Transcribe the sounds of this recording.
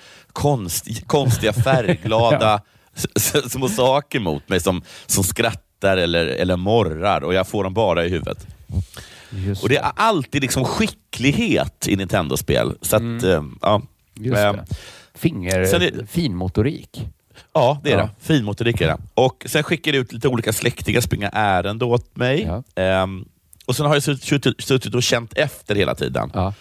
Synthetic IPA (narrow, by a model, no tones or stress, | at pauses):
kʰɔnst̪kʰɔnst̪ɪɡafæɾɡlɑːd̪a | smoːsɑːkəɾmʊ̰ːt̪mɛjsɔmsɔmskɾat̪ːaɾɛlːəɾɛ̰lːəɾmɔɾa̰ɾɔjɑːɡfoːɖɔmbɑːɾaɪɦʉ̟ːvə̰t̪ | ɔd̪ɛʔʔalt̪iːd̪lɪksɔmɧɪkːlɪɡheːt̪ɪnɪnt̪ʰɛnd̪ʊspḛːlsat̪ʔɑː | fɪŋːəsɛnɛfiːnmʊt̪ʊɾḭːk | ɑːd̪ɛædɛ̰fiːnmʊt̪ʊɾiːkæɖɛ̰ɔksɛnɧɪkːajɛʉ̟t̪liːt̪əuːliːkaslʔɛkt̪ɪɡaspɾɪŋːa̰ʔæːɾənd̪əoːt̪̚mɛj | ɔsɛnhaɾjasɵt̪ːɪsɵt̪ːɪt̪ɔɕɛnt̪ɛft̪əɾheːla̰t̪ʰḭːd̪ə̰n